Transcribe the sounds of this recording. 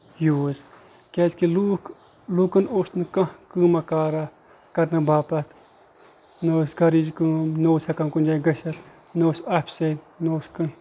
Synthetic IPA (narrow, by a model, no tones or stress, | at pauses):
juːz | kʲeskilu | luːkɨnoːsnɨkɐ̃kɨːmɐkaːɾa | kɐɾnɨbaːpɐt̪ʰ | noːsɡɐɾid͡ʒkɨːmnoːsɐkɐmkund͡ʒaɡɐʃɐt̪ | noːsapʰʲset̪ | noːskɨ